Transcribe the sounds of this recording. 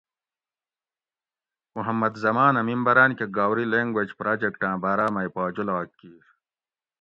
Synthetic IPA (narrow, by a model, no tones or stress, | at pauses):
muɦɐmːɐd̪zɐmaːnɐmimbɐɾaːnkeɡaːwɾileŋɡwed͡ʑpɾaːd͡ʑekʈãːbaːɾaːmɐjpaːd͡ʑulaːkːiːɾ